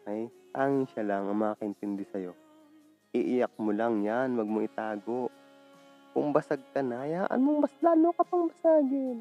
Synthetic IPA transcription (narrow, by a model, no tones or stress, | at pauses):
hajt̪aːŋɪnʃalaŋʔɐŋmɐakɐʔɪnt̪ɪnd̪ɪsɐjo̞ | ʔɪʔɪjak̚molaŋjanwɐɡ̚moʔɪt̪aːɡo̞ʔ | kʊŋbɐsaɡ̚kɐnajaːʔɐ̰nmoŋbɐslaːnokɐpɐŋbɐsaːɡɪn